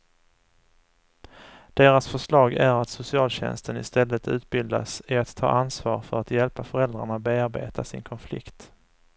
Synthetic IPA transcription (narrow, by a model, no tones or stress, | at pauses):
d̪̥eːɾasfœʂlɑːɡæɾat̪sʊsɪɑːlɕɛ̰nst̪ənɪ̰st̪ɛlːət̪ʉ̟̰ːt̪̚bɪld̪a̰sɪat̪ʰːɑ̰ːʔansvɑːɾfœɾat̪jɛlpafœɾɛld̪ɾaɳat̪̚beːaɾbḛːt̪ʰasɪ̰nkʰɔnflɪ̰kt̪